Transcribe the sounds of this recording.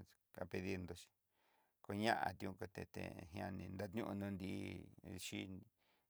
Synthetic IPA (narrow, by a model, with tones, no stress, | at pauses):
ka˧pe˧ði˦nd̪o˧ʃi̥˧ | ko˧ɲã˦ʔa̰˧t̪i˧ũ˧ko˧t̪e˧t̪ḛ˧ɦj̃ã̰˧nĩ˧nd̪a˧t̪ɲũ˦ʔu˧nũ˧nd̪i˧ʃi˦